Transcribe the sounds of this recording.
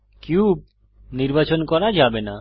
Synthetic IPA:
kiu | niɾbat͡ʃɔnkɔɾad͡ʒabena

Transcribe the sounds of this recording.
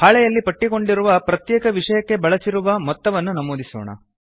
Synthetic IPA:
haːɭɛjɐlːipɐʈːiko̞ɳɖiɾuʋɐpɾɐt̪jɛːkɐʋiʂɐjɐkːe̞bɐɭɐsiɾuʋɐmɔt̪ːɐʋɐnːunɐmoːd̪isɔ̰ːɳɐ̰

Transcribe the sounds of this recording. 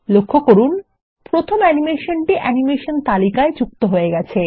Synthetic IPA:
lokʰːokoɾun | pɾot̪ʰomɛnimeʃonʈiʔɛnimeʃont̪alikaed͡ʑuk̚t̪oɦoeɡɛt͡ɕʰe

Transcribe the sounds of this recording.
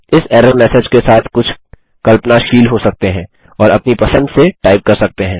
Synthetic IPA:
ɪsɛːɾəbmɛːsed͡ʒkesaːt̪ʰkʊt͡ʃʰ | kɐlpənaʃiːlɦosɐk̚t̪eɦɛ̃ː | ɔːɾɐpnipɐsə̃nd̪seʈaːɪp̚kɐɾsɐk̚t̪eɦɛ̃ː

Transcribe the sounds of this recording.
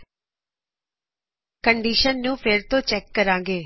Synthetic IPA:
kəɳɖiːʃənːũːpʰɪɾt̪õːt͡ʃɛːkːəɾãːŋɡeː

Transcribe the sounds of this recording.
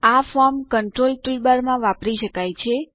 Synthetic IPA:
afɔɾmkəɳʈɾolʈulbaɾmãʋapɾiʃəkajt͡ʃʰe

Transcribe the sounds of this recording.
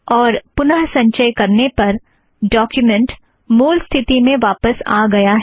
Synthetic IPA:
ɔːɾpʊnəɦsɐ̃ɲʃəjkɐɾnepɐɾ | ɖɔːkjʊmɛ̃ɳʈ | muːlst̪ʰɪt̪imẽʋaːpəsa̰ːɡɐjaɦɛ

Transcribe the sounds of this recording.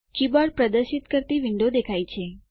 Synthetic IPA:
kibaɽpɾəd̪əɾʃit̪kəɾt̪iʋɪɳɖod̪ekʰajt͡ʃʰe

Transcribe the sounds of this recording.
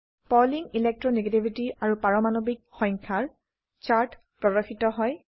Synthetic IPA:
pɔliŋilɛk̚tɹɔneɡetibʱitiaɹupaɹɔmanobik̚xɔ̃ŋkʰaɹ | t͡ʃaɹt | pɹɔdɔxitɔɦɔj

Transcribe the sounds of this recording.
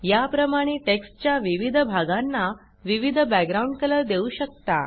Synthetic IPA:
japɾəmaɽ̃eʈekst͡ɕjaʋiʋid̪ʱəbʱaɡanːa | ʋiʋid̪ʱəbæɡ̚ɡɾauɳɖkələd̪euɕək̚t̪a

